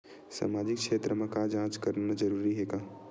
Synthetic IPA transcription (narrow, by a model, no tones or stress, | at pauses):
sa̰mad͡ʒik̚t͡ʃʰet̪ɾəmẽkad͡ʒãt͡ʃkəɾnad͡ʒəɾuɾiɦeka